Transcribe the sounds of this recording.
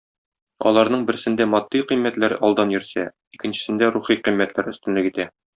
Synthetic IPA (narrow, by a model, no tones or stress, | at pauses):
ɒ̰lˠɑɾnɤɴbɘ̆ɾ̆sɘ̆nd̪æmɒd̪ːiqimːæt̪læɾɒlˠd̪ɑnjɵ̆ɾsæ | ikɘ̆nɕɘ̥̆sɘ̆nd̪æɾuχiqimːæt̪læɾɵ̆st̪ɘ̆nlɘkit̪æ